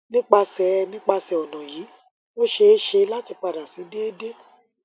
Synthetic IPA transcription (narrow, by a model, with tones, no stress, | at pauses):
nĩ˦k͡pa˧sɛ˧nĩ˦k͡pa˧sɛ˧ɔ˨nɔ̃˨jiː˨˦ | o˦ʃe˧˦ʃe˧la˦ti˧k͡pa˧da˨si˨˦de˦e˦de˦